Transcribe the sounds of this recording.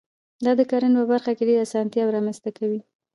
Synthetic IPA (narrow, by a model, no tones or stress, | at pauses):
d̪ɑd̪əkaɾənpəbaɾxakeɖeɾasɑnt̪jɑwɾɑmənzt̪akawi